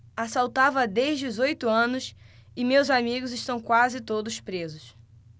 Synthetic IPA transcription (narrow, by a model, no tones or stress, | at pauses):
asawt̪avɐd̪eʒd͡ʒɪʊzojt̪ʊɐ̃nʊsɪmewzamiɡʊzɪʃt̪ɐ̃w̃kwazɪt̪od̪ʊspɾezʊs